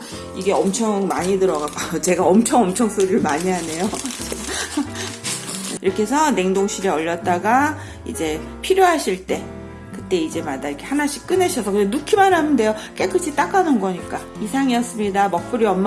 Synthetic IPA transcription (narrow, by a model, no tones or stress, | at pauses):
iɡe̞ʌmt͡ɕʰʌŋmaɲidɯɾʌɡak͈ajot͡ɕe̞ɡaʌmt͡ɕʰʌŋʌmt͡ɕʰʌŋs͈ʰɯɾɯɭmaɲiɦane̞jo | iɾʌkʰe̞sʰʌne̞ŋdoŋɕʰiɾiʌʎːʌt̚t͈aɡa | ḭd͡ʑe̞ | pʰiɾjoɦaɕʰiɭt͈e̞ | kɯt͈e̞id͡ʑe̞madaiɾkʰe̞hanaɕʰi̥k͈ɯne̞ɕʰʌsʰʌkɯndenukʰimanɦanɯnde̞jok͈ek͈ʰːɯt͡ɕʰit͈ak͈anɯnɡʌɲik͈a | isʰaŋiʌs͈ɯmɲidamʌk̚p͈ɯɾiʌmː